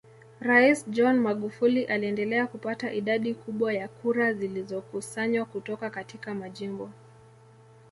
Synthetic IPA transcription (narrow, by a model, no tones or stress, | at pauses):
ɾaisd͡ʒɔnmaɠufuliʔaliɛndɛlɛakupataʔiɗaɗikuɓwajakuɾazilizɔkusaɲwakutɔkakatikamaʄimbɔ